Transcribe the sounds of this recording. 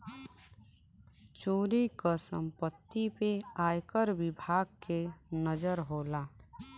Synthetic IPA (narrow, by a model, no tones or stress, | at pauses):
t͡ʃoːɾikəsə̰̃mpət̪ːipeaːjkəɾwɪbʱaːɡ̚kenəd͡ʒəɾɦoːlaː